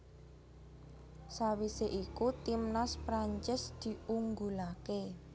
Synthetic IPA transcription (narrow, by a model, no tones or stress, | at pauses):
sawiseʔikut̪imnaspɾaɲt͡ʃɪsd̪̥i̤uŋɡulake